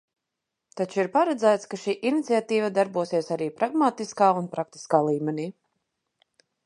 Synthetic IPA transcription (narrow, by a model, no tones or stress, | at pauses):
t̪at͡ʃuiɾpaɾɛd̪zæːt̪skaʃiːʔinit̪siat̪iːvad̪aɾbuɔsiɛsaɾiːpɾaɡmaːt̪iskaːunpɾak̚t̪i̥skaːlˠiːmɛniː